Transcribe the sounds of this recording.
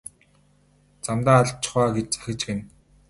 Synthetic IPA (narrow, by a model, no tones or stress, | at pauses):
t͡samt̪aːɮt͡ɕʰɪ̥̆χaːɡet͡ɕt͡sḁxʲɪ̆kt͡ɕɡen